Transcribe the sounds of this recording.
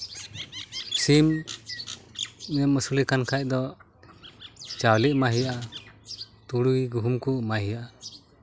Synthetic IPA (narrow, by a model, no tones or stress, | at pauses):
sim | mɛməsulikankʰac̚ˀd̪ɔ | t͡ʃawliʔmaɦijaʔa | t̪uɽuɡuɦumkumaɦijaʔa